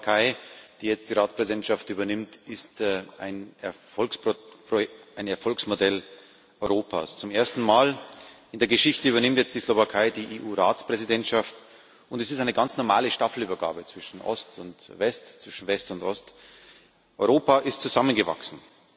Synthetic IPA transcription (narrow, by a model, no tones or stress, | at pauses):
kʰaɪd̥iːjɛt͡std̥iːʁaːt͡spʁ̥ɛzidɛntʃaftʔyːbɐnɪmtɪsta̰ɪnɛɐfɔlkspʁoaɪnɛɐfɔlksmodɛl | ʔɔʏʁoːpʰa̰ːst͡sʊmeːɐstn̩maːlʔɪndeːɐɡəʃɪçtəyːbɐnɪmtjɛt͡std̥iːslovakʰaɪdiːʔeːʔuːʁaːt͡spʁ̥ɛzidɛntʃaft | ʔʊntɛsɪstaɪnəɡant͡snɔɐma̰ːləʃtafl̩yːbɐɡa̰ːbət͡sv̥ɪʃn̩ʔɔ̰stʊntvɛstt͡sv̥ɪʃn̩vɛstʊntʔɔst | ʔɔʏʁoːpaʔɪstt͡suzamənɡəva̰ksn̩